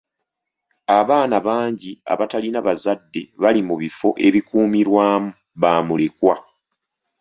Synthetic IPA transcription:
aβaːnaβaːɲɟia̰βatalinaβazadːe̞βalimuβifo̞ʔe̞βikuːmiɾwaːmu | βaːmule̞kwa

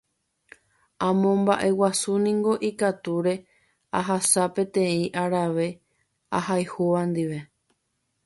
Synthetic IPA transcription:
ãmõ̞mba̰ʔe̞wasunĩŋɡo̞ʔikat̪uɾe̞ | aɦasapẽ̞t̪ẽ̞ĩʔaɾaʋe̞ | a̰hajhoʋãnd̪iʋe̞

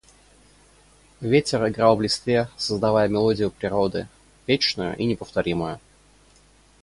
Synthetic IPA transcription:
vʲetʲɪrɪɡɾalˠblʲɪst̪vʲesəzd̪ɐvajəmʲɪlˠo̞dʲɪjʊpɾʲɪɾod̪ɨ̰ | vʲet͡ɕnʊjʊ̰ʔinʲɪpəft̪ɐɾʲiməjʊ

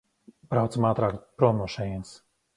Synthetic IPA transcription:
pɾawt̪samaːt̪ɾaːkpɾɔnɔʃɛjns

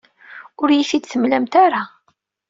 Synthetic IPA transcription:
ʊɾjiθid̪θəmlæmt̪aɾa

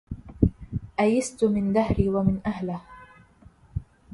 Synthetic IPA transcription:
ʔajɪst̪ʊmɪnd̪ahɾiːwamɪnʔahlɪh

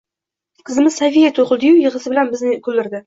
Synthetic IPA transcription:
qʰɨzɪmɪzsavijat̪ʰoχɨlˠd̪ɪjujɨʁɨsɪbɪlanbɪznɪkʰɵlːɪɾd̪ɪ

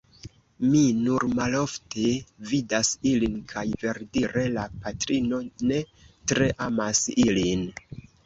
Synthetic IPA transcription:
minuɾmalo̞ftʰevidasilinkʰajve̞ɾdiɾe̞lapatɾino̞ne̞tɾe̞ʔamasilin

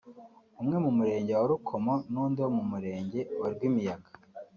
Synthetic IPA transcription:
umŋe̞mumuɾe̞ːɲɟewaɾukʰo̞monuːndewomumuɾe̞ːɲɟe̞waɾiɡwimijaɡḁ

